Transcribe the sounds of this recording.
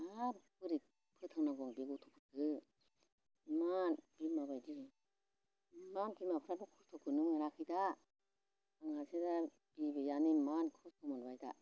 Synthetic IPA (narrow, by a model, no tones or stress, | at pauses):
apʰɯɾit̚ | pʰɯt̪ʰaŋnaɡɔŋbiɡutʰɔ̥pʰɯkʰɯ | manb̥imabajdi | mankimapʰɯɾatukʰustʰɔkʰɯnuŋaɾakʰɯda | aŋaseda | b̥ibejanimankʰustʰɔmanbajda̰